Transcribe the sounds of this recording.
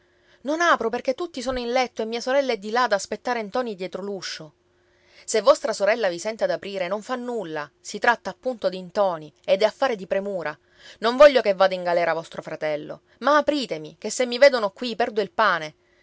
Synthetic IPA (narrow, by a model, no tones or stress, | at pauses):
nonaːpɾoperk̟et̪ːut̪ːisoːnoinlɛt̪ːoemːiːasoɾɛlːaɛd̪ːilad̪aːspet̪ːaːɾent̪ɔːnid̪jɛːt̪ɾoluʃːo | sevːɔst̪ɾasoɾɛlːavisɛnt̪ad̪apɾiːɾenoɱfanːulːasit̪ɾat̪ːaːpːunt̪od̪int̪ɔːnied̪ɛafːaːɾed̪ipɾemuːɾa | noɱvɔʎːokevːaːd̪aiŋɡalɛːɾavɔst̪ɾofɾat̪ɛlːo̰ | maːpɾiːt̪emik̟esːemːiveːd̪onokwipɛrd̪oilpaːne